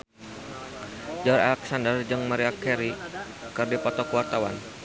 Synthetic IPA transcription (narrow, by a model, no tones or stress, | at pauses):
d͡ʒɔɾa̰lɛksandərd͡ʒɨŋmaɾiakɛɾi | kɨrdipɔt̪ɔkuwart̪awa̰n